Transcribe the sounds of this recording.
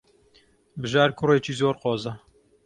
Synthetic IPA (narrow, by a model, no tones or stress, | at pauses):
bɨʒaːɾkʰʊreːt͡ʃiːzoːɾqoːzɐ